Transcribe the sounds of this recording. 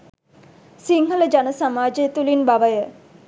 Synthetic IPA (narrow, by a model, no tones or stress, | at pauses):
siŋɦələd͡ʒanəsamaːd͡ʒət̪ulinbaʋəjə